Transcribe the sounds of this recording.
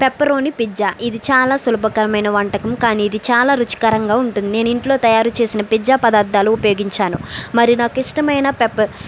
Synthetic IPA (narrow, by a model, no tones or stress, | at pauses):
pepːɐɾo̞ːnipid͡ʒːaːʔid̪it͡ʃaːlaːsulubɐkɐɾɐmɐjnɐʋɐɳʈɐkɐmkaːniːd̪it͡ʃaːlaːɾut͡ʃi̥kaːɾɐŋɡaːuɳʈund̪ine̞ːnuiɳʈlo̞ːt̪ɐjaːɾut͡ʃe̞ːsinɐpid͡ʒaːpɐd̪aːɾd̪aːluːpɐjoːɡiɲt͡ʃaːnumɐɾinaːkiʂʈɐmɐjnɐpepːɐ